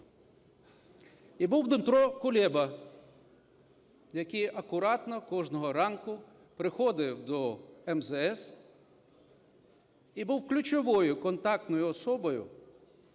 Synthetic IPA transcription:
ibuwd̪ɪmt̪ɾɔkʊlʲɛbɐ | jɐkijʔɐkʊɾɑt̪nɔkɔʒnɔɦɔɾɑnkʊ | pɾɪxɔd̪ɪwd̪ɔɛmzɛɛs | ibuwklʲʊt͡ʃɔʋɔjʊkɔnt̪ɑk̚t̪nɔjʊɔsɔbɔjʊ̰

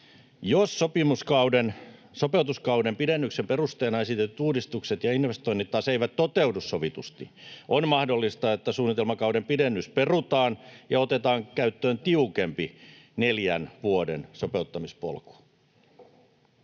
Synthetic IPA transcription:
josːopimuskɑudensopeut̪uskɑudempidenːyksemperust̪eːnɑesit̪et̪ːyt̪uːdist̪ukset̪jɑinʋest̪oinːit̪tːɑːseiʋæt̪t̪ːot̪euwdussoʋit̪ust̪ḭʔonmɑhdolːist̪ɑet̪ːæsuːnːit̪elmɑkɑudempidenːysperut̪ɑːnjɑot̪et̪ɑːŋkæyt̪ːøːnt̪iukempi | neljænʋuodḛnsope̞ut̪ːɑmispo̰lku̥

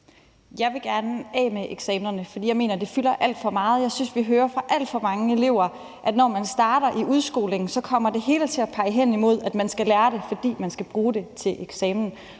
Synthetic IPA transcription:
jɑ̈ɪʋe̝ɡ̥æɐnɛ̰ːmeʔeɡ̥sɛːmnɐnəfɒ̽d̥ḭːjɑ̈ɪme̝ːnɐd̥e̝fylɐʔæl̰d̥fɒ̽mɑ̈ːð̞̩ˠjɑ̈ɪsynsʋiɦøːɐfʁɑ̈ʔæl̰d̥fɒ̽mɑ̈ŋəe̝le̝ʊ̰ɐ | ʔæd̥nɒmænsd̥ɑ̈ːɾ̥ɐʔiʔuðˠsɡ̥o̝̰ːle̝ŋ̩sɒ̽kʰɒ̽m̰ɐd̥e̝ɦe̝ːlət͡sʰe̝æpʰɑ̈ɪəɦen̰imo̝ð̞̰ˠæd̥mænsɡ̥ælæːɐɾe̝fɒ̽d̥ḭːmænsɡ̥æb̥ʁuːd̥e̝t͡sʰe̝lʔeɡ̥sɛːmn̩

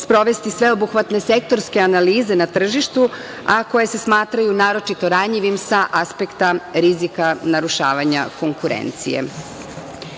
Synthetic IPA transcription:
spɾo̞ʋe̞st̪isʋe̞obuxʋat̪ne̞sek̚t̪o̞ɾske̞analiːze̞nat̪r̩ʒiʃt̪u | ako̞je̞se̞smaːt̪ɾajunaːɾo̞t͡ʃit̪o̞ɾaɲʎiʋimsaʔaspe̞kt̪aɾizikanaɾuʃaːʋaɲa̰ko̞ŋkuɾḛnt̪sḭjḛ

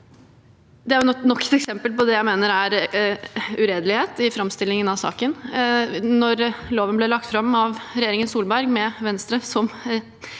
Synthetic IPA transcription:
d̪ɛæɾjʊnɔkːɛt̪ɛksɛmpəlpɔd̪ɛjæɪmeːnəɾæɾ | ʉɾeːd̪əlɪheːt̪ɪfɾɑmst̪ɪlːɪŋənɑʋsɑ̰ːkən | nɔɾloːʋənblɛlɑk̚t̪fɾɑmːɑʋɾɛjeːɾɪŋənsuːlbæɾɡmɛʋɛnst̪ɾəsɔm

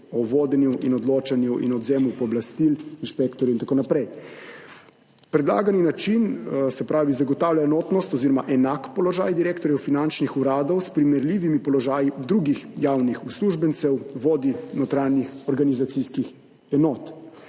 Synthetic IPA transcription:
ɔʋoːd̪ɛnjuʔinɔd̪loːt͡ʃanjuʔḭnɔd̪zeːmupɔɔblast̪ilinʃpɛkt̪ɔɾjuint̪akoːnapɾɛj | pɾɛd̪la̰ːɡaninat͡ʃinsɛpɾaːʋizaɡɔt̪aːwlʲjaɛnɔt̪nɔst̪ɔziːɾɔmaʔɛnakpɔlɔʒaːjd̪iɾeːkt̪ɔɾjɛwfinant͡ʃnixuɾaːd̪ɔwspɾimɛɾlʲiːʋimipɔlɔʒaːjid̪ɾuɡixjawnixusluʒbɛnt̪sɛwʋoːd̪inɔt̪ɾaːnjixɔɾɡanizat̪siskix | ɛnɔːt̪

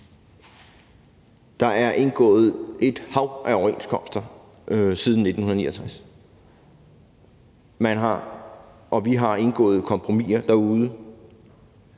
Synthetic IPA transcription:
d̥ɑ̈ʔæɐʔe̝nɡ̥ɔ̰̽ːð̩ˠʔe̝d̥hɑ̈ʊʔæɒʊɐenskʰɒ̽m̰sd̥ɐ | siːð̞ˠn̩nːe̝d̥n̩hunðˠniːɐt͡sʰʁas | mænɦɑ | ʔɒ̽ʋiɦɑ̈e̝nɡ̥ɔ̰ːð̩ˠkʰɒ̽mpʰʁo̝mḭːɐd̥æuð̞ˠə

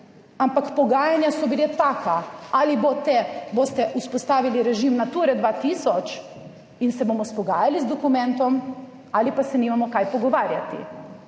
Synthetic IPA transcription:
ampakpoɡaːjanjasɔbilet̪akaalibot̪ɛbost̪ɛʔuspost̪aːʋiliɾɛʒimnat̪uːɾɛd̪ʋaːt̪isɔt͡ʃ | insɛbomɔspoɡaːjalizd̪okumɛ̃nt̪ɔm | alipasɛnimamɔkajpoɡoʋaːɾja̰t̪ḭ

